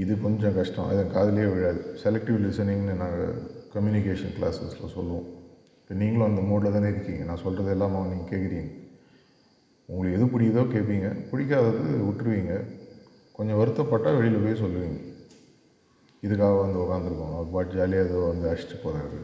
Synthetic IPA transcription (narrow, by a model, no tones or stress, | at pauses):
ɪðɯpɔnd̪d͡ʒɐ̃kɐʂʈɐ̰̃ʔɐ̰ðɐ̃kaːðɐlɐjeːʋɛɽɪjaːðɯsɛlɛk̚ʈɪʋlɪsɐnɪ̃ŋnɯnãːŋɡɐ̰kɐmjuːnɪkeːʂɐnkla̰ːsɐslɐ̰sɔlːʋõ | ɪpːoːniːŋɡɐɭɐnd̪ɐmoːɽlɐt̪ãːnɪɾɯkːiːŋɡɐnãːsɔlrɐðɛlːaːmaːniːŋɡɐkeːʈkːɪɾiːŋɡɐ | ʊŋɡɐɭɯkːɛðɯp̬ɪɽɪjɐðoːkeːʈpːiːŋɡɐ̰pʊɽɪkːaːðɐðɯɯʊʈːɪɾɯʋiːŋɡɐ | kɔɲd͡ʒɐ̃ʋɐɾɯt̪ːɐ̃pɐːʈːaːʋɛɭɪlɐpoːjs̬ɔlːɯʋiːŋɡɐ | ɪðɯkːaːɣɐʋɐnd̪ɯʊkaːnd̪ɯɾɯkːʊ̰̃ɐpaːʈd͡ʒaːlɪjaɐðoʋɐnd̪ɯɐʂʈːɯpoːɾa̰ːðɯ̰